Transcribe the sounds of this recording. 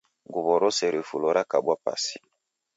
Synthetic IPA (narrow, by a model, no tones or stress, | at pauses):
ŋɡuβɔɾɔsɛɾefulɔɾakaɓwapa̰si̥